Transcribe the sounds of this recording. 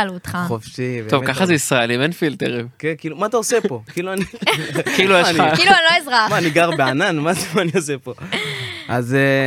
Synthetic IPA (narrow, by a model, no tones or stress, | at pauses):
lut̪χaχofʃibetovkaχazeisʁaelimenfilt̪eʁĩmkenkiːlumaːt̪aosepo̞kiːluanikilujeniailuanloizʁamaːniɡaʁbeananmazemaːniosepo̞ʔa̰ze